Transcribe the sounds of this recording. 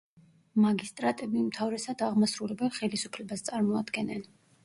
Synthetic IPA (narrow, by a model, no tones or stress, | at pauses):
maɡist̪ʼɾat̪ʼɛbimt̪ʰavɾɛsad̪aʁmasɾulɛbɛlˠχɛlisupʰlɛbast̪sʼaɾmɔad̪ɡɛnɛn